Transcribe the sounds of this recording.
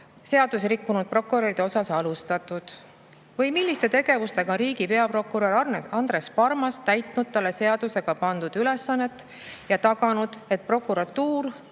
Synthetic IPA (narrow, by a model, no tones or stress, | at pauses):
se̞ɑd̪usɾikːunud̪̥̚pro̞kːuɾeɾid̪̥eo̞sɑsɑlust̪ɑt̪ːˑud̪̥ | vɤjmilːist̪e̞t̪e̞ɡ̥e̞vust̪e̞ɡ̥ɑɾiːɡ̥ipe̞ɑpro̞kːuɾoɾɑrnɑnd̪re̞spɑrmɑst̪æjt̪nud̪̥̚t̪ːɑlːe̞se̞ɑd̪̥use̞ɡ̥ɑpɑnd̪̥ud̪̥yle̞sːɑnːe̞t̪ːˑ | jɑt̪ɑɡɑnud̪̥e̞t̪̚pro̞kːˑuɾɑt̪ːuːr